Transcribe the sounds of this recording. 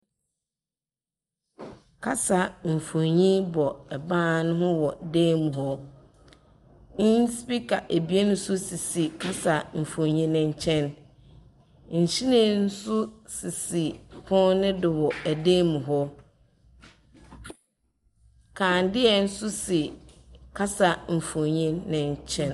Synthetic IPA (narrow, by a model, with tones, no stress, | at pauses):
kʰa˦sa˨m̩˨fo˨ɲĩ˦bɔ˨ɛ˨bãː˦˨nʊ̃˦ɦʊ̃˦wɔ˨deː˦mũ˨ɦɔ˦ | nɪ̃˦ɲ˦spi˦kʰa˨ʔæ˨bi˨˦e˦nʊ̃˦sʊ˦si˨si˨kʰa˦sa˨m̩˨fõ˨ɲĩ˦nʊ̃˦ɲ̩˦˨t͡ɕʰɛ̃˦n | ɲ̩˨ɕi˦nẽ˦˨n̩˦sʊ˦si˨si˨hʰʊ̃˦nɪ̃˦dɪ˨wɔ˨æ˨de˦mũ˨ɦɔ˦ | kʰãː˨ndɪ˦ɛ˨n̩˦sʊ˦si˨kʰa˦sa˨m̩˨fõ˨ɲĩ˦nɪ̃˨ɲ˦t͡ɕʰɛ̃˦n